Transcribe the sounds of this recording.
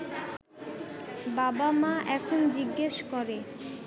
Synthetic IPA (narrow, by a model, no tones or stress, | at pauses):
babamaʔɛkʰond͡ʑiɡːeʃkoɾe